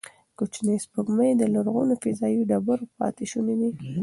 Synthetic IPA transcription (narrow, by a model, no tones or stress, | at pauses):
kut͡ʃnəjspəɡməjd̪əlaɾɣunafɪzɑjiɖabəɾpɑ̰t̪eʃunid̪i